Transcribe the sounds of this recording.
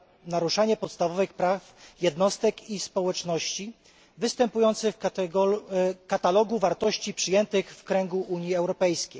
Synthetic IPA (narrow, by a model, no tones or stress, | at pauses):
naɾuʂaɲɛpɔt̪st̪avɔvɘxpɾafjɛd̪nɔst̪ɛkispɔwɛt͡ʂnɔɕt͡ɕi | vɘst̪ɛmpujɔnt̪sɘɡɔkat̪alɔɡuvaɾt̪ɔɕt͡ɕipʂɘjɛnt̪ɘxfkɾɛŋɡuʔuɲiɛwɾɔpɛjskʲej